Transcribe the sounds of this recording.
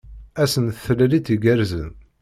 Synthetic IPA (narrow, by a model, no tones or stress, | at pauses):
æsənθəlliθiɡæɾzən